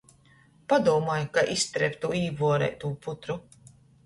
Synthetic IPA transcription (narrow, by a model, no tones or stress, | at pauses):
pad̪uɔmaːjkaʔist̪ɾɛpʲt̪uiːbuɔɾɛ̰jt̪uːput̪ɾu